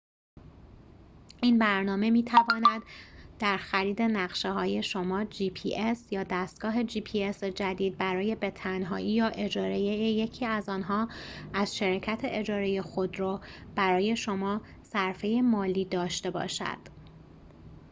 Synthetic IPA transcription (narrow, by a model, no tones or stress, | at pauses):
ʔiːnbæɾnɒːme̞miːt̪ʰævɒːnæd̪ːæɾxæɾiːd̪e̞næɣʃeɦɒːje̞ʃo̞mɒːd͡ʒiːpʰiːʔesjɒːd̪æst̪̚ɡ̥ɒːɦe̞d͡ʒiːpʰiesed͡ʒæd̪iːd̪̚bæɾɒːje̞be̞t̪ʰænɦɒːʔiːjɒːʔe̞d͡ʒɒːɾe̞jejeje̞cʰiːæzɒːnɦɒːæzʃeɾɑcʰæt̪ʰe̞ʔed͡ʒɒːɾe̞je̞xo̞d̪ɾɒːb̥æɾɒːje̞ʃo̞mɒː | sæɾfe̞je̞mɒːliːd̪ɒːʃt̪e̞bɒ̰ːʃæ̰d̪̥